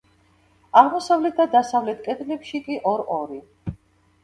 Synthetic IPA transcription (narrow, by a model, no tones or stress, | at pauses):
aʁmɔsavlɛt̪̚ʰd̪ad̪asavlɛt̪ʰkʼɛd̪ʼlɛpʃikʼiʔɔɾɔɾi